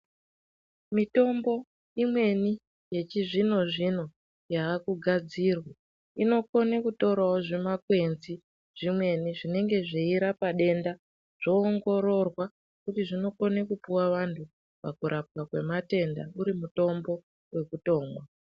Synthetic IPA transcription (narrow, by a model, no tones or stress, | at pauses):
mito̞mbo̞ | imwe̞ni | je̞t͡ʃiʐino̞ʐin̤o̞ | jaːkuɡʱad͡zirwa | ino̞ko̞nekuto̞ɾwawoʐemakwe̞nzi | ʐ̥imwe̞niʐine̞ŋɡe̞ʐeiɾapaɗe̞nda | ʐ̥o̞ːŋɡo̞ɾo̞rwa | kutiʐino̞ko̞nekupuwaʋantʰu | pakuɾʔap̚kakwe̞mate̞nda̰uɾimuto̞mbo̞ | we̞kuto̞ːŋɡwa